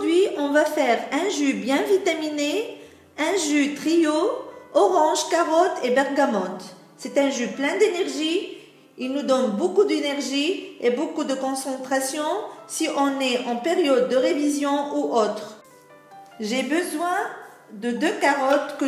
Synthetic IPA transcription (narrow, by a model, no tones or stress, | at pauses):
d̪ɥiɔ̃vafɛʁɛ̃ʒøbjɛ̃vit̪amine | ɛ̃ʒyt̪χioɔʁɑ̃ʒkaʁɔt̪ebɛʁɡamɑ̃t̪ | sɛt̪ɛ̃ʒøplɛ̃d̪enɛʁʒi | ilnud̪ɔnbokud̪enɛʁʒiebokud̪əkɔ̃sɑ̃t̪χasjɔ̃siʔɔ̃nɛʔɑ̃peʁjɔd̪̚ːəʁevizjɔ̃uʔot̪χ | ʒebəzwɛ̃ | d̪əd̪økaʁɔt̪kə